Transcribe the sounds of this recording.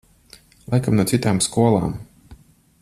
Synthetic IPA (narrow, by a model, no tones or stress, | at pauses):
lˠʔajkamnuɔt̪sit̪aːmskuɔlˠa̰ːm